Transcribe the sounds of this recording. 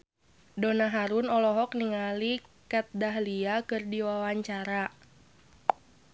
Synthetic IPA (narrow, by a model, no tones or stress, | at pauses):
dɔnaɦaɾʊnɔlɔɦɔk̚niŋalikat̪̚daɦliakɨrdiwawaɲt͡ʃaɾa